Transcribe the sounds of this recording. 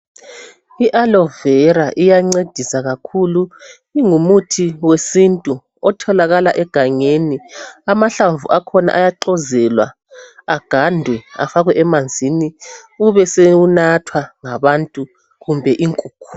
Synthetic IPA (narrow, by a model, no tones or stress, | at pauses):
iʔalɔvɛɾaʔijaŋ͡ǀed̥ʱisaɣakʰulu | iŋumutʰiwesintʼu | ɔtʰɔlaɣalaʔɛɡ̥ʱaŋeniamaɬaɱvuʔakʰɔna̰ʔajaǃɔzɛlwa̰ | aɡ̥ʱandʱwɛa̰faɣwɛʔɛmand͡zʱiniuβɛseunatʰwaŋaβantʼu | ɣumbʱɛʔiŋkʼuːk̚ʰu̥